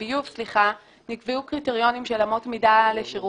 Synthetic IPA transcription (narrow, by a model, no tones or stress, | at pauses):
ijufsliχa | nikviukʁiteʁjo̞nimʃelamo̞tmidaleʃiʁu